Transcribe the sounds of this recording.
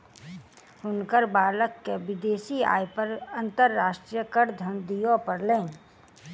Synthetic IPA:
hʊnkəɾbaːləkːeʋɪd̪eːsia̰ːjpəɾɐ̃nt̪əɾːaːʃʈɾijəkəɾd̪ʱɐnd̪ijopɐɾlẽːn

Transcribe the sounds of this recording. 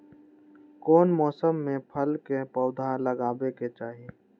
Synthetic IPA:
kɔːnmɔːsəmːẽpʰəlkepɔʊd̪ʱãləɡaːbeket͡ʃaːɦie

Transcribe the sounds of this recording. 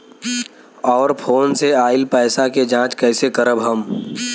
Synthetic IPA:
ɔːɾpʰoːnseaːɪlpɛːsaked͡ʒãːt͡ʃkɛːsekəɾəbɦəm

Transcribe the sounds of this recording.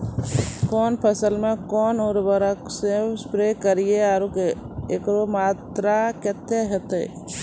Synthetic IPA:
kɔːnpʰəsəlmẽkɔːnoɾbəɾəksewspɾeːkəɾieaːɾuke | ekɾomaːt̪ɾaket̪ːeɦət̪ḛ

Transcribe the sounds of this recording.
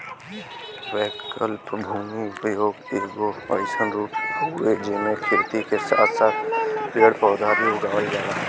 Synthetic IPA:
ʋɛːkkəlpbʱuːmiʋijoːɡ̪ɪɾɡoə̰sənɾuːpued͡ʒɪnekʰɪɾt̪ikesa̰ːt̪ʰsaːt̪̚ʰpeːɽpɔːd̪ʱabʱiʊɡaːʋəld͡ʒaːlaː

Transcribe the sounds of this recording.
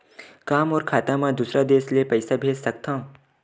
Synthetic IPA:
kaːmɔːɾkʰaːt̪amãd̪uːsɾad̪eːʃlepɐɪsabʱeːd͡ʒsɐk̚t̪ã

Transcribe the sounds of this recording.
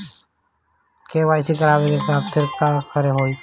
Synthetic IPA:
keʋaːɪsikəɾaːʋeɡekaːpt̪ʰɪɾkakʰəɾeɦoi

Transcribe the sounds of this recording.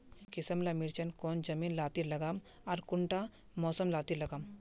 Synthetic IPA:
kɪsəmlamɪɾt͡ʃənkoːnd͡ʒɐmiːnlaːt̪ilɐɡaːm | aɾkʊɳʈa | mɔːsəmlaːt̪ilɐɡaːm

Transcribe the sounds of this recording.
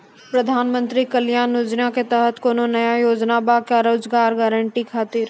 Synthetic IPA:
pɾəd̪ʱaːnmə̃nt̪ɾikəljaːnʊd͡ʒnaket̪ɛɦət̪koːnonɐjajoːd͡ʒnabakaɾoːd͡ʒɡaːɾɡɛːɾəɳʈikʰaːt̪iɾ

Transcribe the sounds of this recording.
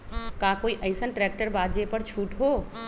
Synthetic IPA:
kakoiʔəjsənʈɾɛk̚ʈəɾbad̪d͡ʒepəɾt͡ʃʰuʈɦo

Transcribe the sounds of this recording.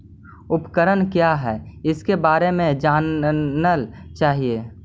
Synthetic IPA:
ʊpkəɾənkjaɦɛːɪskebaːɾemẽd͡ʒaːnəlt͡ʃaːɦieː

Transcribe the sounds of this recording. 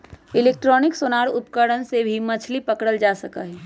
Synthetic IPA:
ɪleːk̚ʈɾɔːnɪksoːnaːɾʊpkəɽənsebʱimət͡ʃʰlipəkɽəld͡ʒaːsəkaɦɛː

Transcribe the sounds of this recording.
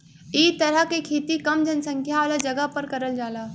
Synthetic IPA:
iːt̪ɐɾəkekʰeːt̪ikɐmd͡ʒʱɐnsɐ̃ŋkʰjaaːlad͡ʑɐɡəpɐɾkɐɾəld͡ʑaːlaː

